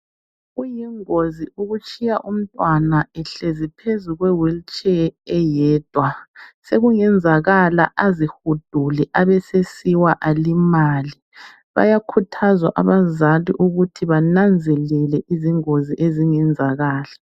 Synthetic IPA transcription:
ujiŋoziʔuɣut͡ʃʼijaʔum̩tʼwanaɛɬezipʰezuɣwɛwilt͡ʃʼɛɛjɛːd̥ʱwaseɣuŋɛnd͡zʱaɣala̰ʔazihud̥ʱulɛʔaβɛsesiwaʔalimali | βa̰jakʰutʰazwa̰ʔa̰βazaliʔuɣutʰiβanand͡zʱɛlɛlɛʔiziŋoziʔeziŋɛnd͡zʱaɣaːla

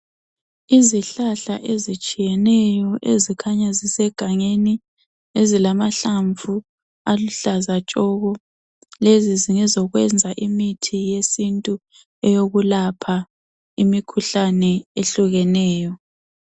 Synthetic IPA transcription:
iziɬaɬa̰ʔezit͡ʃʼijɛnɛjɔʔezikʰaɲazisɛɡ̥ʱaŋeni | ezilamaɬaɱvu | aluɬazat͡ʃʼɔɣɔ | leziziŋɛzɔɣwɛnd͡zʱaʔimitʰijesintʼu | ɛjoɣulapʰa | imikʰuɬanɛeɬuɣɛnɛːjɔ

